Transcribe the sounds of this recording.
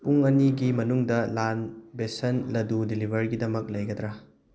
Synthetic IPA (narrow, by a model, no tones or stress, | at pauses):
puŋɐniɡimɐnuŋdɐlanbesɐnlɐdudilibʱɐɾɡidɐmɐk̚lɐjɡɐd̪ɾɐ